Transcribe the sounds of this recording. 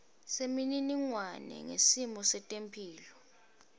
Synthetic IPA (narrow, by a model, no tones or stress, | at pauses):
semininiŋwanɛ̰ŋḛsimɔsɛtʼempʰiːlɔ